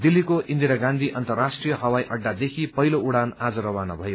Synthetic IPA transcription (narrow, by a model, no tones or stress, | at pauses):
d̪ilːikoind̪iɾaɡãnd̪ʱiʔʌnt̪ʌrːasʈrijʌɦʌwajʔʌɖːad̪ekʰipʌɦilouɽanad͡zʌɾʌwanabʱʌje